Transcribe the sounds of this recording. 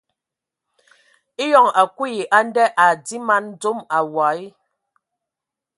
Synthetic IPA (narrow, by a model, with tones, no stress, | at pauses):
i˦jɔ˦˨ŋa˨kwu˦ji˨ʔa˦n˦dɛ˦ʔa˨di˦ma˦n˦d͡zo˦ma˨wa˨˦i˦